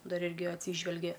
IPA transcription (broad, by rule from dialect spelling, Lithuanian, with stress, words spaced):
ˈdɐr ˈɪrʲɡʲɪ ɐtʲˈsʲiːʒʲʋʲɛlʲɡʲɛ